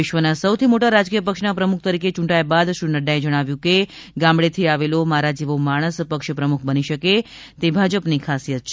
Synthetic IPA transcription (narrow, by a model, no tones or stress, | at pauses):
ɪʃʋənasəwt̪ʰimoʈaɾad͡ʒkijəpəkʃnapɾəmukʰt̪əɾiket͡ʃũɳʈajabad̪ʃɾunəɖaed͡ʒəɽ̃aʋjũke | ɡãmbɭet̪ʰiaʋelomaɾad͡ʒiʋomaɽ̃əspəkʃpɾəmukʰbəniʃəke | t̪ebʱad͡ʒəpnikʰasiət̪ʃ